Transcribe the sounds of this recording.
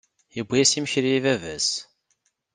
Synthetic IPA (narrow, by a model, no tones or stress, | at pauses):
əbʷːijæsimçɾiivævæs